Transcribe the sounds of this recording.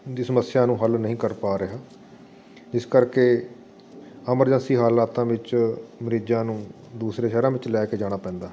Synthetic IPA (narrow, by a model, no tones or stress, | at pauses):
d̪iːsəməsːɪjãːnũːɦəlnəɦĩːkəɾpaːɾəɦaː | d͡ʒɪskəɾkeː | əməɾd͡ʒə̃nsiːɦaːlaːt̪ãːʋɪt͡ʃməɾid͡ʒãːnũː | d̪uːsɾeːʃɛːɾãːʋɪt͡ʃlɛːkeːd͡ʒaːɽ̃aːpɛ̃ːnd̪aː